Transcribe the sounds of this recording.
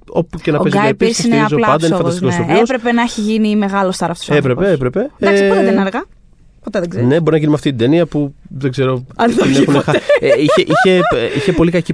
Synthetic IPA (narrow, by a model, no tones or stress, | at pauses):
o̞pucenɐoezɡɐɐipiisoisneiɾɐzolɐɐnd̪ɐinfɐnd̪st̪nkosoieospɾe̞pe̞nɐeçiʝinime̞ɣɐlo̞st̪ɐɾɐft̪osepɾepeepɾepe̞aspt̪eenɐɾɣɐ | pot̪eðeɡzene̞bo̞ɾinɐʝinimɐft̪it̪id̪eniɐpuðeɡzeɾo̞ɐlexunexɐiçeʔiçe̞içe̞po̞likɐci